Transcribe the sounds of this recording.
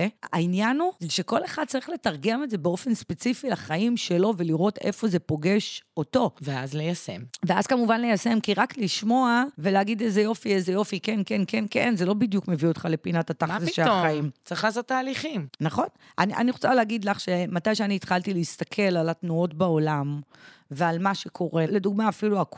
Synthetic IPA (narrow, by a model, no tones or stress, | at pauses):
ea̰injanuzeʃe̞ko̞le̞χad̪̚t͡saʁiχle̞taʁɡe̞me̞tze̞beo̞fe̞nspet͡sifilaχaimʃe̞lo̞ve̞liʁo̞tḛfo̞ze̞po̞ɡe̞ʃo̞to̞veazlejasḛmvea̰zkamuvanlejase̞mkiʁakliʃmo̞aveleaɡidezejo̞fiezejo̞fikenkenkenkenze̞lo̞bidjukme̞viot̪χale̞pinatatazesʃelaχaimt͡saχasataːliχimnaχo̞n | ʔaniʔa̰niʁot͡saleːɡidlaχʃematajʃeaniːtχaltiliist̪akʰe̞lalatnuo̞tbao̞lamvealmaʃekʰo̞ʁe̞le̞duɡ̚maːfiluak